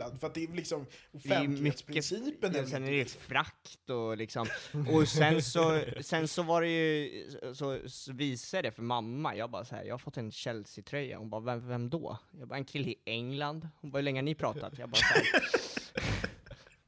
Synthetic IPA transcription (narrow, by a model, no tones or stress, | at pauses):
and̪fœɾat̪̚d̪ɛːvlːɪksɔmʊfd̪ɛj̪lmʏet̪skpɾːəsiːpənsɛnɛɾɛjəfɾakt̪ɔlɪksɔmɔsɛnsɔsɛnsɔvaɾɛjɵsɔsɔviːsad̪d̪ɛfœɾmamːajɑːabɑ̰ːɾasahæ̰ɾjɑ̰ːhaɾfɔt̪ːɛnɕɛlːsɪt̪ʰɾœjːa̰hʊnbɑːɾvɛvɛmd̪ɔ̰ːjɑːbɑɛnkʰɪlːəɪɛŋland̪hʊnbɑːɾhʉɭɛŋːənɪpʰɾɑːt̪a̰t̪jɑːbɑːɾasahæɾ